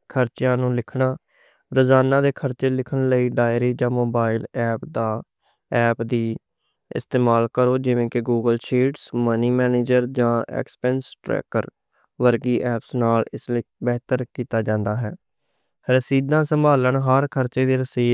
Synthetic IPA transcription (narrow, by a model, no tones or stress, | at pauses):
kʰəɾt͡ʃjãːnũːlɪkʰnaː | ɾəzaːnãːd̪eːkʰəɾt͡ʃeːlɪkʰəɳləiːɖaːɪɾiːd͡ʒãːmoːbaːɪlɛːpd̪aː | ɛːpd̪iː | ɪ̰st̪eːmaːlkəɾoːd͡ʒɪʋẽːkɪɡuːɡəlʃiːʈsməniːmɛːneːd͡ʒəɾd͡ʒãːɛ̰kspɛːnsʈɾɛ̰ːkəɾ | ʋəɾɡiːʔɛːpsnaːlɪslːbəːt̪əɾkiːt̪aːd͡ʒãːnd̪aːɦɛː | ɾəsiːd̪ãːsəmbʱaːləɳɦəɾkʰəɾt͡ʃeːd̪eːɾəsiː